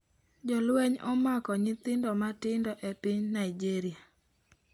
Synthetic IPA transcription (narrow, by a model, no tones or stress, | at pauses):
d͡ʒɔlweɲɔmakɔɲɪt̪ɪndɔmatɪndɔʔɛpɪɲnaid͡ʒiɾia